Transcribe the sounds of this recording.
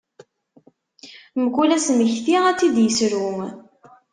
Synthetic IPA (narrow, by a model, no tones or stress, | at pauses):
məkːulæsməçθiʁæt͡sːid̪jəsɾu